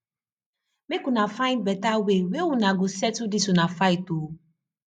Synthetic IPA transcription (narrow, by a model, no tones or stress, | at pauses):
mekũnãfãĩnbɛtawewewunãɡusɛtudisunãfaito